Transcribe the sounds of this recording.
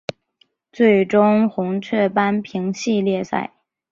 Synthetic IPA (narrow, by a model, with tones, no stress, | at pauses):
t͡swe˥˩ɪʈ͡ʂʊ˥ŋxʊ˧˥ŋt͡ɕʰɥɛ˥˩pa˥npʰi˧˥ŋɕi˥˧ljɛ˥˧sa̰˥˩ɪ